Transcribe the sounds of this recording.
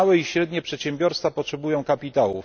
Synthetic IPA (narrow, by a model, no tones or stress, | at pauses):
wɛiɕɾɛd̪ɲɛpʂɛt̪ɕɛmbʲjɔɾst̪fapɔtʂɛbujɔ̃w̃kapʲit̪awṵ